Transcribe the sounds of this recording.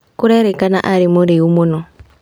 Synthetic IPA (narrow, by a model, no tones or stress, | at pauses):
kuɾɛɾɛkanaʔaɾimuɾiumunɔ